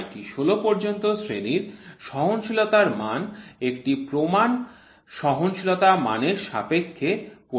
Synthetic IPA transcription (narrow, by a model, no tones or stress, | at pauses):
jʈiʃolopɔɾd͡ʑont̪osɾeniɾʃɔɦonʃilot̪aɾmanekʈipɾoman | ʃɔɦonʃilot̪ama̰neɾʃa̰pekʰːepo